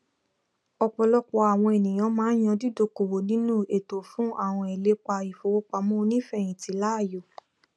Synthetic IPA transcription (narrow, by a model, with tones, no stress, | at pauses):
ɔ˧k͡pɔ˧lɔ˦k͡pɔ˧a˨w̃ɔ̃˧e˨nĩ˨j̃ã˧˦mãː˦j̃ɔ̃˧di˦do˧˨ko˨wo˨nĩ˨˦nũ˦˨e˨to˨fũ˦a˦˨w̃ɔ̃˧e˨le˨˦k͡pa˧i˨fo˧wo˦k͡pa˧mɔ̃˦˧nĩ˦fɛ˦˨j̃ĩ˨ti˨˦la˦˨jo˨